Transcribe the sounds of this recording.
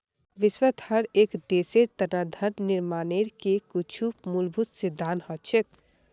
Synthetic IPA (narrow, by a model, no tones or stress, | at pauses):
ʋɪswət̪həɾeːkd̪eseɾt̪ənad̪ʱəɾnɪɾmaːneɾkekut͡ʃʰumulbʱut̪sɪd̪ʱːaːnhɔt͡ʃʰək̚